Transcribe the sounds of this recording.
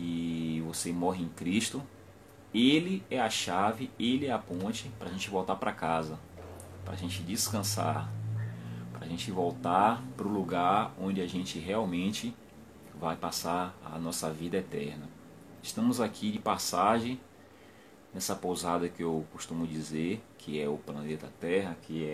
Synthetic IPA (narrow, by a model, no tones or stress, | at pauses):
ɪvosemɔɦɪẽj̃kɾiʃt̪ʊ | elɪɛɐʃavɪelɪɛapõnt͡ʃɪpɾɐʒẽnt͡ʃɪvowt̪apɾɐkazɐ | pɾɐa̰ʒẽnt͡ʃɪd͡ʒɪskɐ̃sa̰ɾ | pɾɐʒẽt͡ʃɪvowt̪aɾpɾʊluɡaɾõnd͡ʒɪaʒẽnt͡ʃɪɦɛawmẽt͡ʃɪ | vajpasaɾa̰nɔsɐvid̪ɐɛt̪ɛɾnɐ | ɪʃt̪ɐ̃mʊzakʰid͡ʒɪpasaʒẽj̃ | nɛsɐpozad̪ɐkɪewkʊʃt̪ũmʊd͡ʒizeɾkʰɪɛʊplɐnet̪ɐt̪ɛɦɐkʰɪɛ